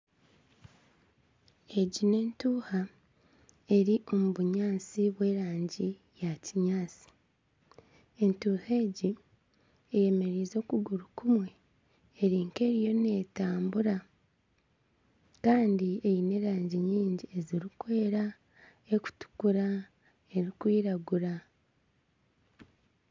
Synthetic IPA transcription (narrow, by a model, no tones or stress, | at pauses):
e̞ɟine̞ːntuːha | e̞ɾiʔo̞muβuɲaːsiβwe̞ːɾaːɲɟi | jaciɲaːsi̥ | e̞ntuːhe̞ːɟi | eje̞me̞ɾiːzo̞ːkuɡuɾukumwe̞ː | ɾiːŋke̞ɾijo̞ne̞ːtaːmbuɾa | kaːndie̞jine̞ɾaːɲɟiɲiːɲɟie̞ziɾikwe̞ːɾa | e̞ku̥tu̥kuɾa | e̞ɾikwiːɾaɡuɾa